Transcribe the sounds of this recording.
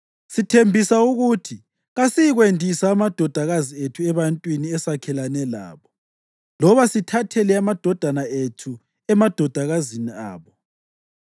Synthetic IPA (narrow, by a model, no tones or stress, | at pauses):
sitʰembʱisauɣutʰi | ɣasijiɣwendʱisaːmad̥ʱɔd̥ʱaɣazietʰuɛβantʼwiniɛsakʰɛlanɛla̰ːβɔ | lɔβasitʰatʰɛlɛamad̥ʱɔd̥ʱanaetʰu | ɛmad̥ʱɔd̥ʱaɣazinia̰ːβɔ